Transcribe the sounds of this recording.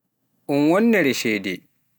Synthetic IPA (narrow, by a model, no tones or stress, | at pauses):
ʔunwɔnːɛɾɛʃɛdɛ